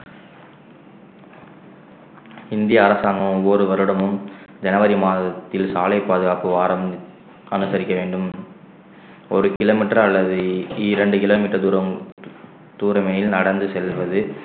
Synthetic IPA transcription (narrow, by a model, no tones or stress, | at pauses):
ɪnd̪ɪjɐːɾɐsaːŋɡɐʋɯmɔɾɯʋɐɾɯɽɐmɯmd͡ʒɛnɐʋɐɾimaːðɐt̪ːɪlsaːlɐɪpːaːðɯɣaːpɯʋaːɾɐm | ɐnɯsɐɾɪkːɐʋeːɳɖɯm | ɔɾɯkɪloːmɪʈːɾɐɐlːɐðɯiːɾɛɳɖɯkɪloːmiːʈːɐɾɐ | t̪uːɾɐmɐjɪlnɐɽɐnd̪ɯsɛlʋɐðɯ